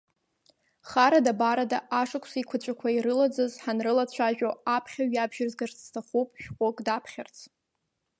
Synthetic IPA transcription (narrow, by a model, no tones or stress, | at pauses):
χaɾadabaɾadaʔaʂakʷʰsikʷʰat͡ɕʷʼakʷʰaiɾɨlad͡zɨzħanrɨlat͡ɕʷʰaʒᶣoapʰχʲaɥabʒ̥ɪrzɡarstʰaχupʼʃᶣqʷʼokʼdapʰχʲart͡sʰ